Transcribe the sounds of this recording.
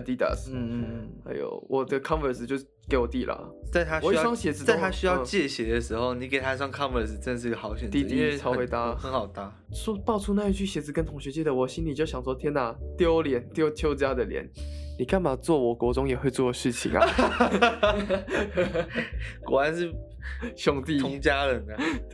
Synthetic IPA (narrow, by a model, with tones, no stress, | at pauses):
ə˧t̪i˥˩t̪a̰˨˩sn̩˥˧˩ha˧˥ɪjo̰˨˩ʊwʔɔ˨˩d̪ə˦kʰɑ˥˦nvə˨˩s̩˨t͡ɕjo˥˧ʊ | ke˧˥ɪwɔ˨˩t̪i˥˩lə̰˩t͡sa˥˩ɪt̪ʰa˥wɔ˨i˥˧swɑ˥ŋɕjɛ˨˩d͡zɹ̩˧tt͡sa˥ɪ˥t̪ʰa˥ɕy˥jɑ˥˧ʊ˧t͡ɕjɛ˥˧ɕjɛ˨˥d̪ə˦ʂɻ̩˧˥xo˥˧ʊni˨˦ke˨˩ɪt̪ʰa˥swɑ˥˩ŋkʰɑ˥nvə˨˩s̩˨ʈ͡ʂə˥˧d̪ə˩ʂɻ̩˧ɡə˩xɑ˨˧˥ʊɕɥɛ˨˩nt̪i˥˧˥t̪i˥t͡sʰɑ˥ʊxwe˧˥ɪt̪a˧˥xə˧˥ŋxɑ˨˩ʊt̪a˧˥ | ɔ˥pɑ˥˩ʊt͡sʰu˥na˥˧i˥t͡ɕʰy˥˩ɕjɛ˨˥d͡zɹ̩˧˥kə˦nt̪ʰʊ˧˥ŋɕɥɛ˧˥t͡ɕɛ˥d̪ə˨wɔ˨˩ɕi˥nli˨˩t͡ɕjo˥˩ʊɕjɑ˨˩ŋswɔ˥t̪ʰjɛ˥na˨˩t̪jo˥ʊljɛ˨˦nt̪jo˥˧ʊt͡ɕ̪ʰjo˥ʊt͡sə˥ja˥˩d̪ə˩ljɛ̰˧˦nni˨˩kʰa˥˩npʰa˨˩t͡swɔ˥˩wɔ˨˩kwɔ˧˥ʈ͡ʂʊ˥ŋjɛ˨˩xwe˥˧ɪt͡swɔ˥˩d̪ə˩ʂɻ̩˥˩t͡ɕʰḭ˨˩ŋɐ̰˨˦ | kṵ˨˩wa˧˦nʂɻ̩˥˩ | ɕjʊ˥ŋt̪i˥˧tʰʊ˧˦ŋt͡ɕja˥ɻə˨˦nə˧